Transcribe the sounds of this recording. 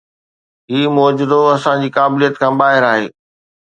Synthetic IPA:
ɦiːmʊːd͡ʑʊd̪oɐsãd͡ʑiːkaːbɪlijət̪kʰãːbaːɦɪɾaːɦeː

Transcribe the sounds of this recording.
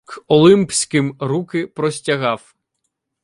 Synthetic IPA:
kɔlˠɪmpsʲkɪmɾukɪpɾɔsʲtʲɐɦɑw

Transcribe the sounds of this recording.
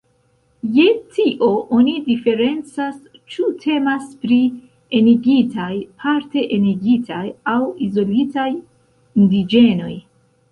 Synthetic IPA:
je̞tiʔo̞ʔo̞nidife̞ɾe̞nt͡sas | t͡ʃutʰe̞maspɾi | eniɡitajpʰaɾte̞ʔeniɡitʰajawizo̞litaj | indid͡ʒe̞no̞j

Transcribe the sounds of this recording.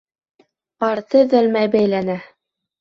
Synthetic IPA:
ɑɾt̪ɤðælmæjbæjlænæ

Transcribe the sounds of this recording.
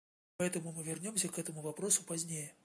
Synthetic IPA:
pɐɛt̪əmʊmɨvʲɪrnʲo̞msʲəkɛt̪əmʊvɐpɾo̞sʊpɐzʲnʲejə

